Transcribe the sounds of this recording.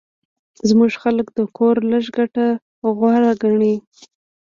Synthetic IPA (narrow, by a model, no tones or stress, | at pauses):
zmuʒxaləkd̪əkʰoɾləʃɡaʈa | ɣwaɾaɡaɳi